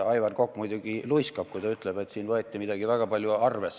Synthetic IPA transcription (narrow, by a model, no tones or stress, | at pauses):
ɑjvɑnko̞kːmujd̪uɡilujskɑb̥̚kujt̪ɑyt̪ˑleb̥e̞t̪siːnvɤet̪ʲːimid̪̥ɑɡ̥ivæɡ̥ɑpɑlʲjuɑrves